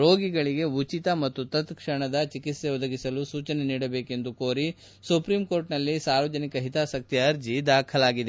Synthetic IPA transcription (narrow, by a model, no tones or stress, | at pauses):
ɾo̞ːɡiɡɐɭiɡe̞ut͡ʃit̪ɐmɐt̪ːut̪ɐt̪kʂɐɳɐd̪ɐt͡ʃikit̪se̞ɔd̪ɐɡisɐlusuːt͡ʃɐne̞niːɽɐbe̞ːke̞nd̪ukoːɾi | supɾimko̞ːɾʈnɐlːisaːɾʋɐd͡ʒɐnikɐɦit̪aːsɐk̚t̪ijɐɐɾd͡ʒid̪aːkʰɐlaːɡid̪e